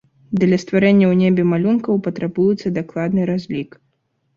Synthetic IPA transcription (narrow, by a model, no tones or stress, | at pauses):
d̪lʲɐst̪vaɾɛnʲːɐwnʲebʲɛmalʲunkɐwpɐt̪ɾabujut̪sːɐd̪aklˠad̪nɨɾazʲlʲik